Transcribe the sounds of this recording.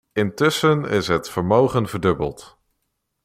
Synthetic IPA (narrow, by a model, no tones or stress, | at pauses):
ɪntɵsənɪ̰sɦətfəɹmowχənvəɹdɵbə̰lˠt